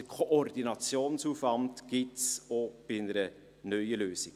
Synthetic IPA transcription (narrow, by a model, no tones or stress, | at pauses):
əkʰoʔɔrdinɑt͡sjoːnsuːfvɑndɡ̥ɪtsob̥ɪnəɾə | nœʏəløːsi̥